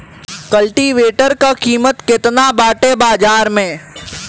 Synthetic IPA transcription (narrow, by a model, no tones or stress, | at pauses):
kɐlʈiʋeːʈəɾkakiːmət̪kɪt̪nabaːʈebaːd͡ʒaːɾmẽː